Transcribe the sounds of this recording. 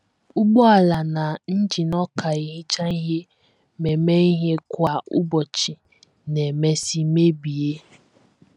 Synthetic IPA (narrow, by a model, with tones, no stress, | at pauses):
u˦ɡ͡bɔ˦a˨la˨na˨n̩˦d͡ʒi˨nɔ˦kʰa˨i˨ɦi˦t͡ʃa˦i˦ɦe˦ | me˨me˦i˦ɦe˦kʷa˦˨ṵ˦bɔ˨t͡ʃi˨ | ne˨me˦si˦me˦bi˨e˦